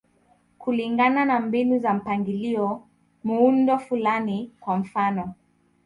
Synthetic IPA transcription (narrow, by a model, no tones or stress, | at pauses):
kuliŋɡananambinuzam̩paŋɡiliɔ | muundɔfulanikwam̩fanɔ